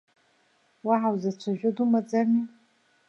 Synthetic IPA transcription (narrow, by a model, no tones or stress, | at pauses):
waʕawzat͡ʃʷʰaʒᶣʷʊdumad͡zani